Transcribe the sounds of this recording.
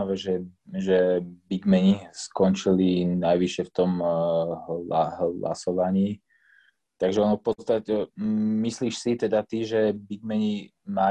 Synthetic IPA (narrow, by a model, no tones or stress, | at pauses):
aʋɛːʒɛʒɛbiɡmɛɲiskɔnt͡ʃilinajʋiʃɪɛft̪ɔmɦlaɦla̰sɔʋaɲiː | t̪aɡʒɛɔnɔfpɔt͡st̪acɛmisliːʃsit̪ɛd̪at̪iʒɛbiɡmɛɲima